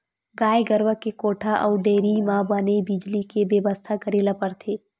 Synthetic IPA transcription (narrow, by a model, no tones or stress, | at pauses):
ɡaːjeɡəɾʋəkekoːʈʰaʔɔːɖeːɾimãbaːnebid͡ʒlikebjeʋəst̪ʰakəɾeːlapəɾt̪ʰeː